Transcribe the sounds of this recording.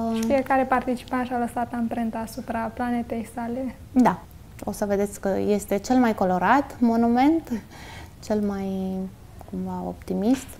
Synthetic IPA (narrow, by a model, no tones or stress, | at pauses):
fijekaɾe̞part̪it͡ʃi̥pant̪ʃaləsat̪ampɾent̪aːsupɾaplanet̪e̞jsale̞ | d̪a | o̞səve̞d̪e̞t̪sʲkə̰je̞st̪e̞t͡ʃe̞lmajko̞lo̞ɾat̪mo̞nume̞nt̪ | t͡ʃe̞lmaj | kumvao̞̰pt̪imist̪